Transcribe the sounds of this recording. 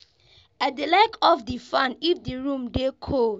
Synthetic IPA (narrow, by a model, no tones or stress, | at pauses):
ɛt̚dəlakʰɔfdifãnifdiɹũmdekʰo